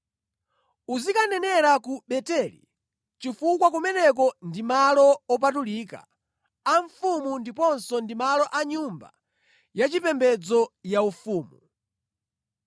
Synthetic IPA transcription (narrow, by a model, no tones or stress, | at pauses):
uzikanɛnɛɾakuɓɛtɛlḭ | t͡ʃifukwakɔmɛnɛk̬ɔndimalɔɔp̬atuliːka̰ | aɱfumundipɔnsɔndimalɔʔaɲumba̰ | jat͡ʃipɛmbɛd͡zɔjaufuːmu